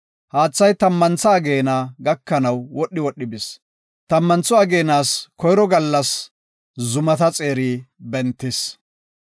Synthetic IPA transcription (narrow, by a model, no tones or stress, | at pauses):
haːt͡sːɐjt̪ɐmːɐnt͡sɐːɡe̞ːnaːɡɐkːɐnɐwwɔɗːɪwɔɗːɪbɪs | t̪ɐmːɐnt͡sːɔɐɡe̞ːnaːskɔjɾɔɡɐlːɐs | zʊmɐt̪ɐt͡sʼe̞ːɾiːbɛnt̪ːɪs